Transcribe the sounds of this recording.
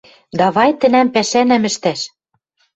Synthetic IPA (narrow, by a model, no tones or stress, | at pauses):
d̪ɑβɑjt̪ɘ̆næmpæʃænæmɘ̆ʃt̪æʃ